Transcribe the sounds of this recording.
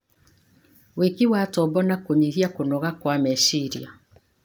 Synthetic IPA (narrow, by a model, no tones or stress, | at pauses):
wekiwatɔbɔnakoɲiɣiakonɔɣakwamɛʃiɾia